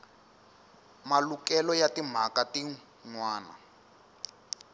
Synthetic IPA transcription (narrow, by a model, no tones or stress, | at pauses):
malukɛlɔjatim̤akati | ŋwaːna̰